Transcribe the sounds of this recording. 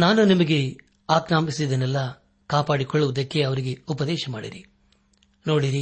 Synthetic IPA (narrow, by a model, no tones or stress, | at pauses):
naːnunimɐɡe̞ | aːkɾaːmisid̪ɐnɛlːɐ | kaːpaːɽikɔɭːuʋɐd̪ɐkːe̞ɐʋɐɾiɡe̞upɐd̪ɛːʃɐmaːɽḭɾi | no̞ːɽiɾi